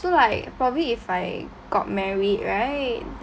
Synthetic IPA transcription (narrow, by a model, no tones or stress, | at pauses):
solaɪk̚pɹɔbəbliifaɪ | ɡ̥ɔ̰t̚mɛɹid̚ɹaɪt̚